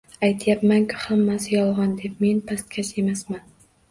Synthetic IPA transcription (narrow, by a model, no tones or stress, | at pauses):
ajt̪ʰjapmaŋkʰʲʊ̥hamːasɪjɒlˠʁɒnd̪e̞p̚me̞npʰast̪̚kʲʰat͡ʃe̞masman